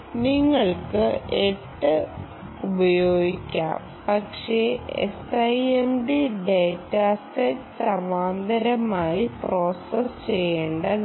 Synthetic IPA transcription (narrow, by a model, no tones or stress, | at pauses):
niŋːɐɭkɨeʈːɨ | ubɐjo̞ːɡikʲːa̰ːm | pɐkʂeḛsɐjemɖiɖeːtːaːstesɐrʋaːnd̪ɐɾɐmaːjipro̞ːsɐst͡ɕejːeːɳɖɐ